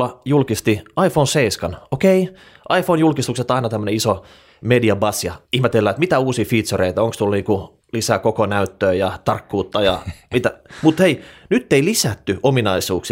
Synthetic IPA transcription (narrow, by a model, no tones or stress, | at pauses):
ɑjulkist̪iɑifonseiskɑnokei | ʔɑifonjulkist̪ukset̪ɑinɑt̪æmːøneiso | mediɑbɑsjɑihmet̪elːæːet̪mit̪æuːsiːfit̪soreit̪æoŋkst̪ulniːŋku | lisæːkokonæyt̪ːøːjɑt̪ɑrkːuːt̪ːɑjɑmit̪æmut̪heinyt̪ːeilisæt̪ːyominɑisuːksi